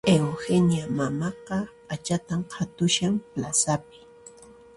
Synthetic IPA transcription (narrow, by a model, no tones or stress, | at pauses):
ewhenjamamɑqɑpʼat͡ʃat̪amqʰat̪ʊʃampla̰sap̚ɪ̥